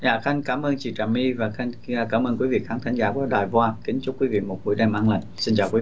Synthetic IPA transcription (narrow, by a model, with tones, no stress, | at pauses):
za̰ː˧˨˩xa˧jŋkaː˨˦mʔəː˧nt͡ɕḭ˧˩t͡ɕaː˨˩mi˧vaː˨˩xa˧ŋː˧˩kaː˧˦mʔəː˧nkwi˨˦vḭ˨˧˨xʰaː˨˦ŋt̪ʰa˨˦ŋ̟zaː˨˦ku˧˦əɗaː˨˩jvwaː˧ki˨˦ŋ̟t͡ɕʊ˦˥kwi˨˦vḭ˧˨mo˨˩t̚ku˨˦jɗa˧˩mʔaː˧˩nlə˨˩ŋ̟si˧nt͡ɕaː˨˩wkwi˨˦